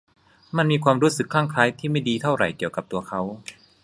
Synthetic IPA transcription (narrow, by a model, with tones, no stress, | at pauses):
ma˧˥nmiː˧kʰwaː˧mɾuː˦˥sɯ˨˩kʰːaː˥˩ŋkʰaː˦˥jt̪ʰiː˥˩ma˥˩jdiː˧t̪ʰa˥˩wɾa˨˩jki˨˩əwka˨˩p̚t̪u˧ɐkʰa˦˥w